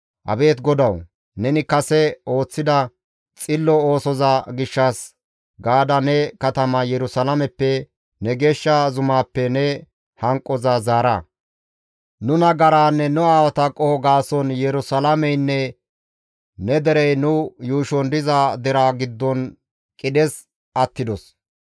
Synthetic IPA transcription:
ʔɐ̰be̞ːt̪ɡɔd̪ɐw | nɛnɪkɐsɛo̞ːt͡sːɪd̪ɐ | t͡sʼɪlːɔo̞ːsɔzaɡɪʃːɐs | ɡaːd̪ɐnɛkɐt̪ɐmɐjɛɾʊsɐlɐmɛpːɛ | nɛɡe̞ːʃːazʊmaːpːɛnɛ | hɐŋkʼːɔzazaːɾɐ̰ | nʊnɐɡɐɾaːnːɛnʊaːwɐt̪ɐkʼːɔhɔɡaːsɔnjɛɾʊsɐlɐmɛjnːɛ | nɛd̪ɛɾɛjnʊjuːʃɔnd̪ɪzad̪ɛɾaːɡɪd̪ːɔn | kʼɪɗɛz | ʔɐt̪ːɪd̪ɔs

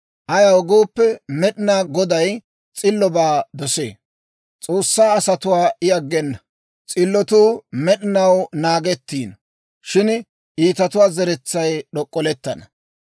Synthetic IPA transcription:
ʔɐjɐwɡoːpːɛmɛɗɪnaːɡɔd̪ɐj | t͡sʼɪlːɔbaːd̪ɔsḛː | t͡sʼo̞ːsːaːɐsɐt̪ʊwaːʔɪɐɡːɛnːɐ | t͡sʼɪlːɔt̪uːmɛɗɪnɐwnaːɡɛt̪ːiːn | ʃɪn | ʔiːt̪ɐt̪ʊwaːzɛɾɛt͡sːɐjɗɔkʼːɔlɛt̪ːɐnɐ

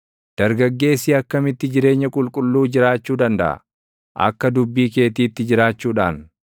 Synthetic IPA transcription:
d̪̥ɐɾɡɐɡːe̞ːsiːɐkːɐmɪt̪ːɪd͡ʒɪɾe̞ːɲːɐkʼʊlkʼʊlːuːd͡ʒɪɾaːt͡ʃːuːd̪ɐnd̪ɐ̰ʔɐ̰ | ʔɐ̰kːɐd̪ʊbːiːke̞ːt̪iːt̪ːɪd͡ʒɪɾaːt͡ʃːuːᶑa̰ːn

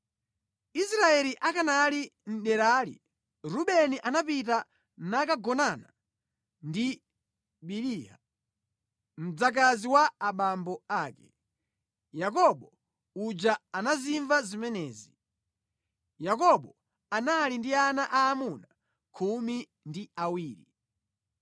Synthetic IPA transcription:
isɾaɛliʔakanalin̩ɗɛɾaːlḭ | ɾuɓɛniʔanapita | nakaɡɔnana | ndi | ɓiliːha̰ | m̩d͡zak̬aziwaːɓambɔaːkɛ | jakɔɓɔ | ud͡ʒaanaziɱvazimɛnɛːzi | jakɔɓɔ | analindianaʔaːmuna | kʰumi | ndiawiːɾi

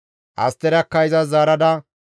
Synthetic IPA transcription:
ʔɐ̰st̪ːɛɾɐkːɐjzɐzaːɾɐd̪ɐ

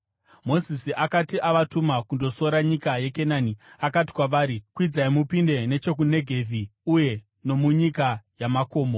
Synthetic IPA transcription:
mo̞zisiʔakatiʔaʋatumakundo̞so̞ɾaɲikajekenaniakati̥kwaʋaːɾikwid͡zaimupinde̞ne̞t͡ʃo̞k̬une̞ɡʱe̞vʱiuje̞ | no̞muɲikajamako̞ːmo̞

